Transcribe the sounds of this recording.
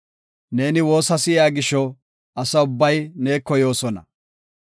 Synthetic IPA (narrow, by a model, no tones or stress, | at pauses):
ne̞ːnɪwo̞ːsɐsɪjaːɡɪʃːɔ | ɐsɐʊbːɐjneːkːɔjo̞ːsɔnɐ̰